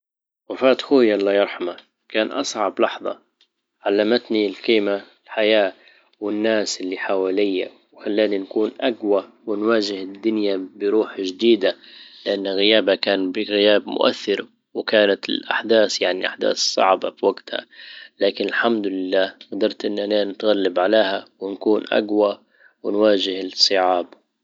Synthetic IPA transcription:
wafaːt̪xuːjɑlˤːɑjɑɾˤħama | kaːnʔɑsˤʕɑblɑħðˤɑ̰ | ʕalːamat̪nilqiːmaɪlħajaː | wɪnːaːsʔɪlːiħawaːlɪjːa | wxalːaːninkuːnʔaɡwa | wɪnwaːd͡ʒɪhɪd̪ːʊnjabɪɾuːħʒd̪iːd̪alɪʔanːɣɪjaːbakaːnbɪɣɪjaːbmʊ̰ʔa̰θːɪɾ | wɪkaːnat̪ɪlʔaħd̪aːθjaʕniʔaħd̪a̰ːθsˤɑ̰ʕbabwaɡt̪ha̰laːkɪnɪlħamd̪ʊlɪlːaːɣd̪ɑɾˤt̪ʔɪnːʔananɪt̪ɣalːabʕaleːhawɪnkuːnʔa̰ɡwa | wɪnwaːd͡ʒɪhɪlsˤːɨʕaːb

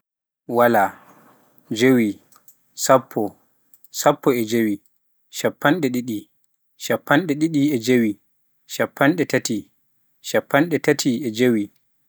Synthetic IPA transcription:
wala | d͡ʒowi | sapʰːɔ | sapːɔɛd͡ʒewi | ʃapːanɗɛɗiɗi | ʃapːanɗɛɗiɗiɛd͡ʒewi | ʃapːanɗɛtati | ʃapːanɗɛtatʰiɛd͡ʒewi

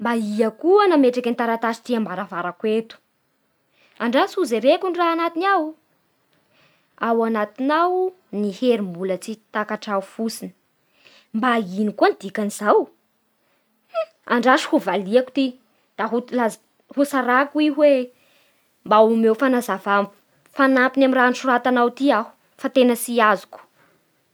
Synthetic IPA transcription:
mbaiakuanameʈ͡ʂakʲant̪aɾat̪asi̥t̪iambaɾavaɾakwet̪u̥ | aɳɖ͡ʐasuzeɾekuniraanat̪inaw | awanat̪inaw | niheɾimbulət͡sit̪akaʈ͡ʂafusinə̥ | mbainikuanid̪̥ikanizaw | aɳɖ͡ʐaʃi̥huvaliaku̥t̪i | d̪̥aɦulaz | husaɾakuiɦwe | mbaumewfanazavam | fanampinamiranʃuɾat̪anawt̪iahu̥ | fat̪enəsiazu̥ku̥

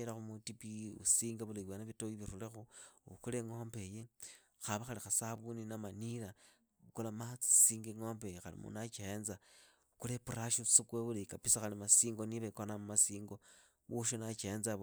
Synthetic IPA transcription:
elaxumutipiṵsiːŋɡaβuleβwenaβitojiβirulexuukuleŋombe̞je | xaβaxalixasaβuninamaniɾa | kolamat͡si̥siːŋɡeŋoːmbejexalḭmṵnat͡ʃienza | kulepuɾaʃusukweβuleikapisaxalimasiːŋɡoniβekonamumasiːŋɡo | βuʃ̬onat͡ʃienza

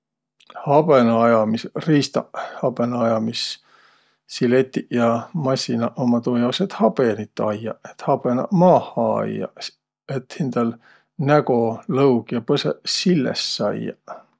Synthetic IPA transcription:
hɑb̥enɑɑjɑmisriːst̪ɑ̰hɑb̥enɑɑjɑmis | silet̪ːiʔjɑmɑsʲinɑʔomɑt̪uːjɑwset̪hɑb̥enit̪ːˑɑjːɑ̰et̪hɑb̥enɑ̰mɑːhˑɑɑ̰jɑ̰ | et̪hind̪̥ɑl | næɡo̞lɤwkjɑpɤsḛsilːḛsːɑ̰jɑ̰

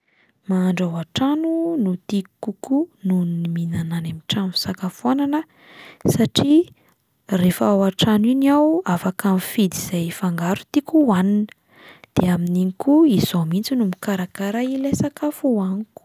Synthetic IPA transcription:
maːɳɖ͡ʐawaʈ͡ʂanunut̪ikːukununniminananamiʈ͡ʂanu̥sakafuananə | saʈ͡ʂi | refəawaʈ͡ʂaniniawafakamfid̪iz̥ajfaŋɡaɾu̥t̪ikuwaninə̥ | d̪̥eaminiŋikuiz̥omint͡sinumikaɾakaɾailesakafuaniku̥

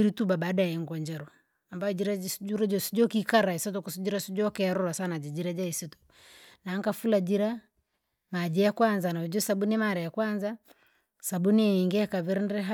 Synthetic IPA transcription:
iɾitubabadajɛŋɡɔɲd͡ʒɛɾɔ | ambaɔd͡ʒiɾad͡ʒuɾad͡ʒɔsi̥d͡ʒɔkikaɾaisɔt̬ɔkusid͡ʒiɾasid͡ʒɔkɛaɾɔɾasanad͡ʒid͡ʒiɾad͡ʒaisitu̥ | naŋkafulad͡ʒiɾa | mad͡ʒɛjakwanzanaid͡ʒɔsabunɛmaɾɛjakwanza | sabuniiŋɡɛkaβiɾnɾɛɦa

